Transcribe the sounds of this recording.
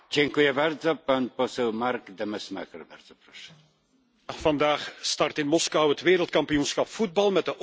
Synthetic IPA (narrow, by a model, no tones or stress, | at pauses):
d͡ʑɛŋkujɛbaɾd̪zɔpanpɔsɛwmaɾɡd̪ɛmɛsma̰kɛɾbaɾd̪zɔpɾɔʂɛ̥ | v̥ɑndaːxstɑrtɪnmɔskɑwɦətʋeːɾəlˠt̚kɑmpijunsxɑpfud̚bɑlˠmɛd̚əʔ